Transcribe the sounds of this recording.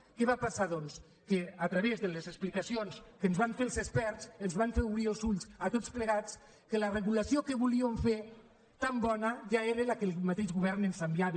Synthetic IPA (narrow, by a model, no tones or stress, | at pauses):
kɛβapasaðɔns | keat̪ɾəβezðəlezəsplikasionskənzβaɱfelˠzespɛɾsənzβaɱfeuβɾielˠzuʎsat̪ot͡spləɣ̞at͡s | kələrəɣulasiokəβuliəɱfe | t̪ambɔnəʒaeɾelakelˠmat̪eʒɣuβɛɾnensambjaβe